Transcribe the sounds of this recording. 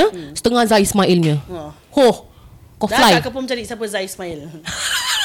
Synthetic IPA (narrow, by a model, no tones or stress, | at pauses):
əst̪əŋazajismaʔilmə | hohkɔflajkəp̬umt͡ʃaɾisapəzajismail